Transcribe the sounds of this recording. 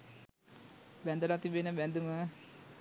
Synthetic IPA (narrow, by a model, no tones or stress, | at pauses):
bænd̪əlat̪ibenəbænd̪umə